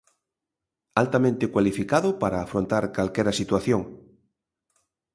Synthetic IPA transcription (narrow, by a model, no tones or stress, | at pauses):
alt̪amẽnt̪ekwalifikaðʊpaɾaːfɾõnt̪aɾkalkɛɾasit̪waθjoŋ